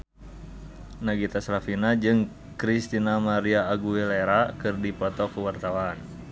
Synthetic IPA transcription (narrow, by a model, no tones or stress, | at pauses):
naɡit̪asɾafinad͡ʒɨŋ | kɾist̪inamaɾiaːɡuɛleɾakɨrdipɔt̪ɔkuwart̪awan